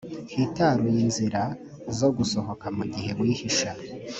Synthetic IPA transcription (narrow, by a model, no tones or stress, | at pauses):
hitaɾujinziɾa | zo̞ɡuso̞ho̞kamuɟiɦe̞βwiːhiʃa